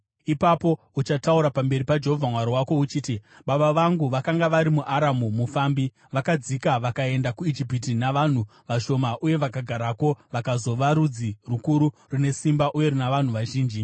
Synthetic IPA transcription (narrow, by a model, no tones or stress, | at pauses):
ipapo̞ | ut͡ʃatauɾapambe̞ɾipad͡ʒe̞ɦo̞vʱamwaɾiwako̞ut͡ʃiːtiɓaɓaʋaŋɡuʋakaŋɡaʋaɾimuʔaɾamumufaːmbi | ʋakad͡zikaʋakae̞ndakuid͡ʒipitinaʋan̤uʋaʃo̞maʔuje̞ʋakaɡʱaɾako̞ʋakazo̞ʋaɾud͡zirukuɾu | rune̞simbaʔuje̞ɾinaʋan̤uʋaʒiːnd͡ʒi